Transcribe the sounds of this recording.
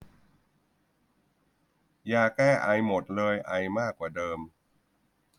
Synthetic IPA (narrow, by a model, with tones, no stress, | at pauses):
jaː˧˩kːɛː˥˩ʔa˧jmo˨˩t̪̚lɤː˧jʔa˧jmaː˥˩kːwaː˨˩dɤː˧m